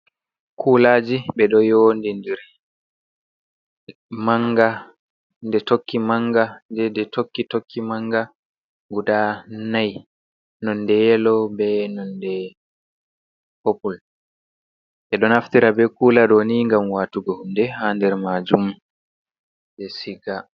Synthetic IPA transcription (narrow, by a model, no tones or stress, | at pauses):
kʰuːlaːd͡ʒiɓɛɗɔjondindɛɾ | maŋɡa | ndɛtokːimaŋɡandɛdɛtʰokːitokʰːimaŋɡa | ɡudanaj | nɔndɛjɛlɔbɛnɔndɛ | hopul | ʔɛɗɔnaftiɾabɛkuːlaɗɔniŋɡamwatuɡɔhundɛhandɛɾmad͡ʒum | dɛsiɡa